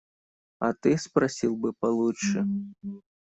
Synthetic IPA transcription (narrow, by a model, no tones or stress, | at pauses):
ɐt̪ɨspɾasʲilˠbɨpalˠuʂɨ